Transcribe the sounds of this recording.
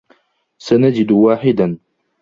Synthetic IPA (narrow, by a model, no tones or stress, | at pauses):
sanad͡ʒɪd̪waːħɪd̪an